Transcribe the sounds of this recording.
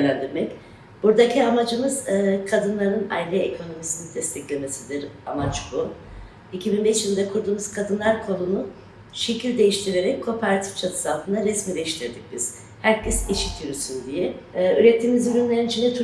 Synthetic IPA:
lʲænd̪iɾmɛc | b̥uɾd̪acʰiamad͡ʒɯmɯz̥ːkʰad̪ɯnlˠaɾɯna̰jilʲɛekʰo̞no̞misinid̪ɛst̪ʰɛclʲe̞me̞sid̪iɾamat͡ʃbu | icʰibinbɛʃjilʲd̪ɛkʰuɾd̪uːmuz̥kʰad̪ɯnlˠaɾkʰo̞nunu | ʃecʰilʲd̪e̞jiʃt̪ʰiɾe̞ɾɛcʲkʰːo̞ːpʰeɾat̪ʰi̥ft͡ʃʰat̪ʰɯ̥salˠt̪ʰɯnd̪aɾɛsmiːd̪ejiʃt̪ʰiɾd̪ic̚b̥iz̥ | hæɾcʰɛsiʃit̪ʰyjoɾsynd̪ijɛyɾɛt̪ʰːiːmizɾynlʲeinit͡ʃʰinɛt̪ʰu

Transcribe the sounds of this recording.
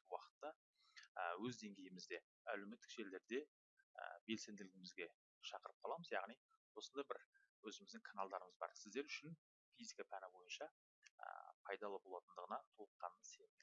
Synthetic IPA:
wɑqə̥t̪ːɑ | əwɵzd̪e̞ŋɡʲe̞jɪmɪzd̪e̞ | æle̞me̞t̪ːɪ̥kʒ̥e̞ld̪e̞ɾd̪e̞ | ə̰be̞lse̞nd̪ɪlɪɡʲɪmɪzɡʲe̞ | ʃɑqəɾəp̚qʰɑlˠɑməzjɑ̰ʁnij | wo̞sənd̪ɑjbɪɾ | wɵzɪmɪzd̪ɪŋkʰanalˠd̪ɑɾəməzbɑ̰ɾsɪzd̪e̞ɾʏʃɪn | fijzikapʰænɪbo̞jənʃɑ | ə̰pʰɑjd̪ɑlˠəbo̞lˠɑt̪ənd̪əʁənɑt̪ʰolˠəqːɑnənse̞nɪ

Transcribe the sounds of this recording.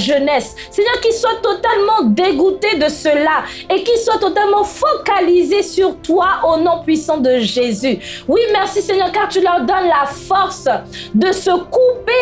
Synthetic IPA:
ʒənɛsːɛɲœʁkiswat̪ot̪almɑ̃d̪eɡut̪ed̪əsəla | ekiswat̪ot̪almɑ̃fokalizesyʁt̪waʔonɔ̃pɥisɑ̃d̪əʒezywimɛʁsiseɲœʁkaʁt̪ylœʁd̪ɔnlafɔʁsd̪əsəkupe

